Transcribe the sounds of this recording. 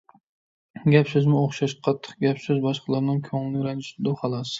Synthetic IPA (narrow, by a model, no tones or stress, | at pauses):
ɡʲapsɪzmɪoχʃaʃqʰɑt̪ʰːɨ̥qɡʲapsɪzbɑʃqʰɑlˠaɾnɪŋkʲʰoŋlˠɪɾand͡ʒɪʃɪd̪ʊhɑlˠɑs